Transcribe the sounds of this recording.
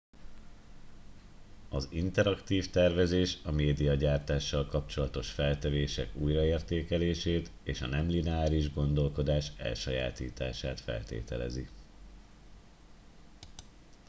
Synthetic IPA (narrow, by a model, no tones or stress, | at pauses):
ɒzint̪ɛɾɒkt̪iːft̪ɛrvɛzeːʃɒmeːd̪ijɒɟaːrt̪aːʃːɒlkɒpt͡ʃo̞lɒt̪o̞ʃfɛlt̪ɛveːʃɛkuːjrɒeːrt̪eːkɛleːʃeːt̪eːʃɒ̰nɛmlinɛaːɾiʒɡo̞nd̪o̞lko̞d̪aːʃɛ̰lʃɒja̰ːt̪ḭːt̪a̰ːʃaːt̪fɛ̰lt̪ḛːt̪ɛlɛ̰zi